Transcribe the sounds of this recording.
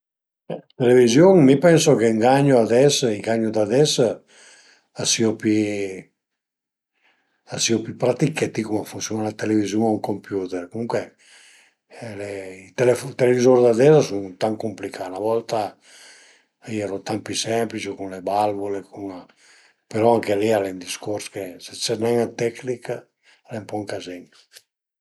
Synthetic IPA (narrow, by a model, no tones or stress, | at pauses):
ɛt̪elevizjoŋmipɛnsokeŋɡaɲːoad̪ɛsiɡaɲːod̪ad̪ɛs | asiopi | asiopypɾat̪iket̪ikumafunsjonalat̪elevizjuŋauŋkompjuːt̪eɾkomuŋkwe | leit̪eleft̪elevizoɾd̪ad̪ɛzasuŋt̪aŋkumplikʰanavɔlt̪a | iɛɾot̪ampisɛmplit͡ʃikunlebalvolekuŋ | peɾɔaŋkelialend̪iskoɾskeset͡ʃɛrnɛŋat̪ɛknika | alempɔŋkazeŋ